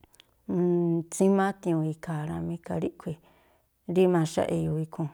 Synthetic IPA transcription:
t͡sĩ˦mã˦t̪ĩ˧ũ˧i˧ka˨ɾã˧mĩ˧˦ka˧ɾi˦ʔkʰʷi˧ | ɾi˦mã˧ʃa̰˦ʔe˧ju˧˨i˧kʰũ˧

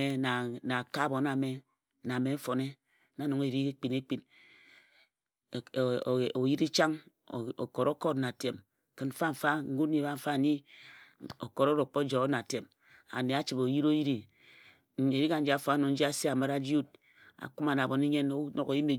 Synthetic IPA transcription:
e˨na˨na˨ka˦˨bo˨na˨me˨ | na˨me˨m̩˦fo˨ne˦ | a˨˦no˨ŋe˨ɾi˦e˦k͡pi˨ne˦k͡pi˦n˨ | o˨ji˦ɾi˦t͡ʃa˦ŋ˨ | o̰˨ko˨ɾo˦ko˦tna˨te˨m | kɨ˨nm̩˦fa˦ɱ̩˨fa˦ŋ̩˦ɡu˦ti˨˦ba˦ɱ̩˦fa˦˨ni˦ | o̰˨ko˨ɾo˦ɾo˨k͡po˦d͡ʒo˨˦na˨te˨m | a̰˨ne˨a˦t͡ʃi˨bo˨ji˦ɾo˦ji˦ɾi˨˦ | e˨ɾi˦ka˨n̩˦d͡ʒi˦a˨fa˦no˨n̩˦d͡ʒi˦a˦se˦a˨ma˦ɾa˦d͡ʒu˦d̚ | a̰˨ku˦ma˨na˨bo˨ni˦ɲe˦no˦no˨ko˨ji˦me˨

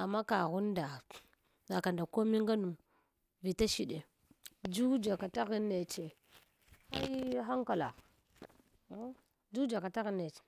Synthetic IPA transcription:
a˨mːa˦ka˨ɣu˦n˦da˨ | za˨ka˨nda˨ko˦mi˦ŋɡa˦nu˨m | vi˨ta˦ʃi˦˨ɗe˨ | d͡ʒu˦d͡ʒa˨ka˨ta˦ɣi˦nːe˨t͡ʃe˨ | a̰˦jɦa˦ŋka˨la̰˨˦ | d͡ʒu˦d͡ʒa˨ka˨ta˦ɣi˦nːe˨t͡ʃe̥˨

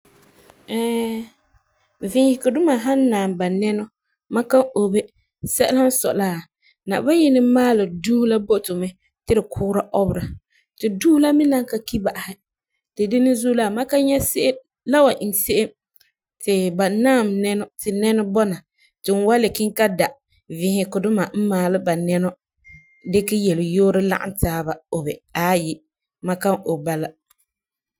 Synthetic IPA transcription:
ɛ˦˨ | vɪ̃˦hɪ˦˨kʊ˨dʊ˦ma˨ɦa˦nː˦aː˨mba˨nɛ˦nɔ˦ | mã˦ka˦o˨be˦ | sɛ˦ʔla˦n̩˦sɔ̰˨la˦˨ | na̰˨ʔba˦jɪ˦nɪ˦maː˦lɪ˨duː˦hu˦la˦bo˦tʊ˨mɛ˦ | tɪ˦ɾɪ˨kʰʊː˦ɾa˦ʔɔ˦bɾa˨ | tɪ˨duː˦hla˦mɪ˦na˦ŋka˨ki˦ba˨ʔa˨hɪ˦ | tɪ˨dɪ˦nɪ˦zuː˦la˦˨ma˦ka˦ɲɛ˦se˦ʔe˦ | la˦wa˨ʔɪ˨n˨se˦ʔe˦m | tɪ˨ba˨naː˦˨mnɛ˦nɔ˦tɪ˨nɛ˦nʊ˦bɔ˦na˨ | tɪ˨n˨˦wa˦lɪ˨kɪ˦ŋka˦da˨ | vɪ˦hɪ˦kʊ˨dʊ˦ma˨m̩˦maː˨lɪ˦ba˨nɛ˦nɔ˦ | dɪ˦kɪ˦jɛ˨lɪ˨joː˦ɾɪ˦la̰˦ʔɪ̰˦ntaː˦ba˨o˨bɛ˨aː˨˦jɪ˦ | ma˦ka˦ŋo˨ba˦la˦

